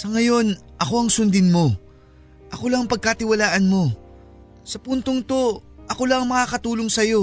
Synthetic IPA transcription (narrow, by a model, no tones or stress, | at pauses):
sɐŋɐjo̞n | ʔɐko̞ɐŋsʊnd̪ɪnmo̞ | ʔɐko̞lɐŋɐŋpɐɡ̚kat̪ɪwɐlaːʔɐnmo̞ | sɐpunt̪oŋt̪o̞ | ʔɐko̞lɐŋɐŋmɐŋakɐt̪uːloŋsɐjo̞